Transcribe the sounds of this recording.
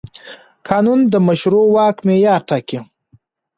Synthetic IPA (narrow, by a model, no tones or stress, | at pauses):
kʰɑːnund̪əmaʃɾowɑːkmejɑːɾʈʰaki